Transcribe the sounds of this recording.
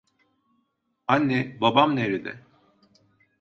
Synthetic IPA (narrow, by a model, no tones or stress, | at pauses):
anːɛbabamneɾid̪ɛ̰